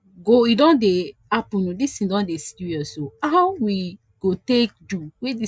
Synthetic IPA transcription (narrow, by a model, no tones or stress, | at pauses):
ɡoidɔ̃nde | apũnũdistĩdɔ̃ndesi̥tujɔsohaʊwi | ɡ̥otek̚duwedi